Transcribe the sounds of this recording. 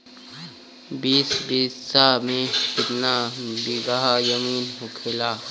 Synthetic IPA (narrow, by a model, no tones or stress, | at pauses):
biːsbiːsamẽkɪt̪nabiɡaɦajəmiːnɦʊkʰɪlaː